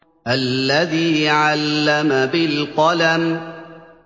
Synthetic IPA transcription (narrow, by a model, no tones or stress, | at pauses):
ʔalːaðiːʕalːamabɪlqɑlam